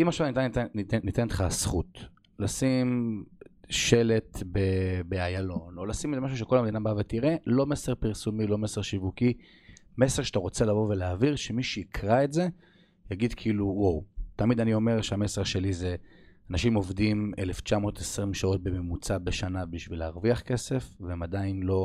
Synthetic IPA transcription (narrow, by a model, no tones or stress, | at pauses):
imaχʃavntantnːit̪enlχasχut̪ | lasim | ʃe̞le̞t̪bebeajalo̞no̞lasimezemaʃ̬uʃ̬e̞ko̞lameinabavet̪iʁe̞lo̞mese̞ʁpiʁsumilo̞meseʁʃivuki | me̞seʁʃḁt̪aʁo̞t͡se̞lavo̞ve̞leaviʁʃemiʃiːikʰʁae̞tze̞ | jaɡid̪kʰiːluwowt̪amid̪anio̞meʁʃeame̞seʁʃe̞lizeanaʃimo̞vd̪imeleft͡ʃamo̞ːt̪esʁimʃao̞t̚be̞me̞mut͡sabeʃanabiʃvileaʁviaχke̞se̞fveemad̪ainlo̞